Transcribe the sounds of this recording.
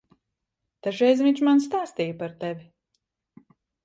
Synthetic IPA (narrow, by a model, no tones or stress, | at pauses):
t̪aʒɛjzʲviɲt͡ʃmanst̪aːst̪ijəpaɾt̪ɛvʲi